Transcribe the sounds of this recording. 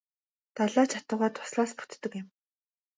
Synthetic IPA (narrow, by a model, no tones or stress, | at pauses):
t̪aɮaːt͡ɕʰat̪ə̆ʁaːt̪ʰʊ̥sɮaːspu̥t̪ːɵ̆kɪ̆m